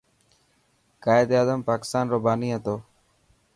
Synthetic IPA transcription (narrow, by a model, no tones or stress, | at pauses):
kaːɪd̪aːzəmpaːkɪ̥st̪aːnɾoːbʱaːniːɦət̪oː